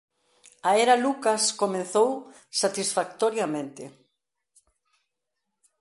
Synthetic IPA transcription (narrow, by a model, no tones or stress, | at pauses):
aeɾalukaskomẽn̟θow | sat̪isfak̚t̪oɾjamẽnt̪ɪ